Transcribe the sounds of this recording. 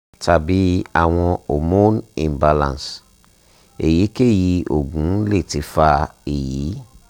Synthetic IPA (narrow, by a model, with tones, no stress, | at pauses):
tʰa˨bi˨˦a̰˦˨w̃ɔ̃˧o˨mõ˦nḭ̃˨mba˧lã̰˨ns | e˨ji˨˦ke˦˨ji˧o̰˨ɡũ˨˦le˦˨ti˧˦fa˧e˨jiː˨˦